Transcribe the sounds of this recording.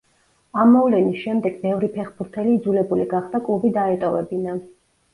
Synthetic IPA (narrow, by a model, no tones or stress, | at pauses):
amːɔvlɛnisʃɛmd̪ɛɡbɛvɾipʰɛχbuɾt̪ʰɛliːd̪zulɛbuliɡaχd̪̥akʼlˠubid̪aɛt̪ʼɔvɛ̰bina